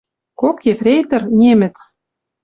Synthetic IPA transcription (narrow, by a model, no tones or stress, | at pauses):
kokːefrʲejt̪ɘ̆rnʲemɘ̆t͡s